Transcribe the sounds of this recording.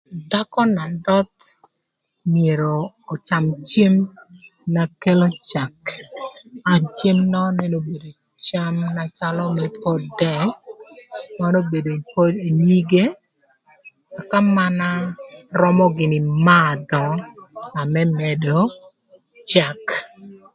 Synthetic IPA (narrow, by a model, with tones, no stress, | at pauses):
da˦kɔ˦na˨dɔ˦t̪ | mɪe˨ɾoː˨ | t͡ʃa˨mt͡ʃe˦m | na˨ke˦lo˦t͡ʃa˨k | a˨t͡ʃe˦mnɔ˦nɛ˦no˨be˨do˨ | t͡ʃa˦mna˨t͡ʃa˦lɔ˦mɛ˨pɔ˦dɛ˦˨ | ma˦no˦be˨do˨po˦de˨ni˦ɡe˦ | a˨ka˦ma˦na˦rɔ˦mɔ˦ɡɪ˨nɪ˨ma˦˨dɔ˨a˨mɛ˦mɛ˨do˨ | t͡ʃa˨k